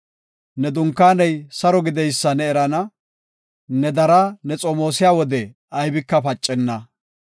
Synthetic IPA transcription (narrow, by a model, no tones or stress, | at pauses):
nɛd̪ʊŋkːaːnɛjsɐɾɔɡɪd̪ɛjsːɐnɛːɾɐnɐ | nɛd̪ɐɾɐnɛt͡sʼomo̞ːsɪjaːwɔd̪ɛ | ɐjbɪkːɐpɐt͡ʃʼːɛnːɐ